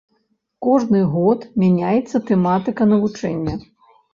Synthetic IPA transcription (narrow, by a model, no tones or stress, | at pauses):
kɔʐnɨɣɔt̪mʲanʲajɛt̪sːɐt̪ɛmat̪ɨkɐnɐvut͡ʂɛnʲːɐ